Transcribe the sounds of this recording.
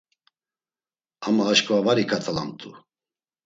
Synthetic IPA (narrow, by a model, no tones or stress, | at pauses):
amaːʃkʼɔvavaɾikʰat̪ʰʼala̰mt̪ʼu